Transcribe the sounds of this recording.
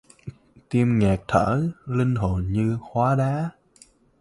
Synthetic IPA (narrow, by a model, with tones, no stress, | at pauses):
t̪i˧əmŋɛː˨˩k̚t̪ʰəː˧˩lï˧ŋ̟ɦo˨˩nɲɨ˧xwaː˨˦ɗaː˨˦